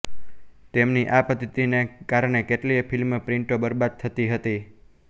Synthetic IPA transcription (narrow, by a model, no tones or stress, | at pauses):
t̪emniʔapət̪it̪inekaɾɳ̃ekeʈliefʰɪlmpɾɪɳʈobəɾbad̪̚t̪ʰət̪iɦət̪i